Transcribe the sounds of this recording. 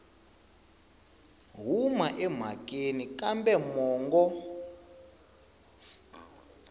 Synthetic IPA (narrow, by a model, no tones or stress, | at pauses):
ɦumaʔɛm̤ak̬ʼenikambɛmɔːŋɡɔ